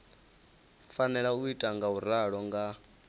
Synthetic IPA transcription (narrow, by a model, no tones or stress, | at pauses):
fanɛɺauitʼaŋɡauɾaɺɔŋɡa